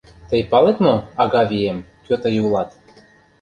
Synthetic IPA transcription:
t̪əjpɑlet̪moɑɣɑvʲiemkøt̪ə̆julˠɑt̪

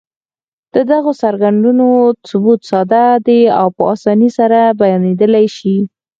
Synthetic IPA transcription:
d̪̥əd̪aɣosaɾɡaɳɖunosʊbut̪sɑd̪ad̪ea̰wpəɑsɑnisaɾabajɑned̪əlajʃi

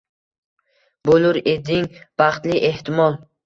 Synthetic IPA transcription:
bolʊɾed̪iŋb̥ɑχt̪liʔe̞ht̪ɪmɒlˠ

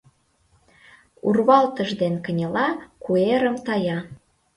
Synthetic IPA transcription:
urβɑlt̪əʒd̪enkə̆nʲəlɑkueɾə̆mt̪ɑjɑ

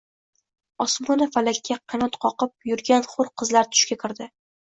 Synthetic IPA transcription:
ɒsmʊnafalakʲːaqʰɑnɒt̪qʰɒqɨp̚jʊɾɡʲanχʊɾqʰɨzlaɾt̪ʰʊ̥ʃkʲakʰʲɪɾd̪ɪ

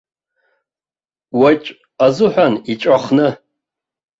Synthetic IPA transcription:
wat͡ʃʼ | azʊħʷᶣanit͡ʃʷʼaχnɨ

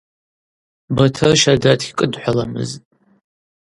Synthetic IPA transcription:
bɐtʰɨrʃadatʰi̥kʼɨdħʷalɐmɨ̰z

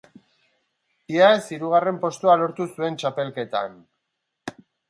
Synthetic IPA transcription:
iaesiɾuɣ̞are̞mpo̞st̪ualo̞ɾt̪usue̞nt͡ʃape̞lke̞t̪an

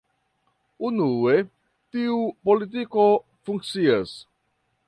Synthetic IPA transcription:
unuwe | t̪iupolit̪̬iko | fũŋksiɐs

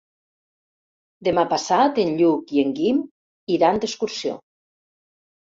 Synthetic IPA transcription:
d̪emapasat̪enʎukieŋɡim | iɾand̪eskuɾsio̰

